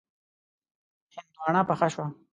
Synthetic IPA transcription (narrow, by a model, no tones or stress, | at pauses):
hɪnd̪uwɑɳapaxaʃwa